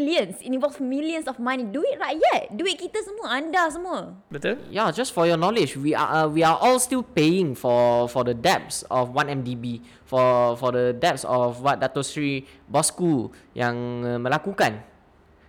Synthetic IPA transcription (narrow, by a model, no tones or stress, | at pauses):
liə̃nsĩnĩvɔlfmiljə̃nsɔfmãniduit̚ɹajt̚jɛt̚duit̚kit̪əsəmɔãndasəmɔ | bɛtəjad͡ʒasfɔjɔnɔlɪd͡ʒwia̰wiaʔɔlstilpejɪ̃ŋfɔfɔdədɛp̚sɔfwãnɛ̃mdibi | fɔfɔdədɛp̚sɔfwat̚datɔsɹi | bɔskuljãŋãməlakukãn